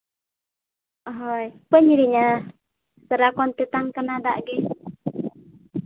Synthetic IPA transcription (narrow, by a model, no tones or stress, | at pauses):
ɔɦɔjpəɲiɾiɲa | səɾakɔnt̪et̪aŋkanadaʔɡɛ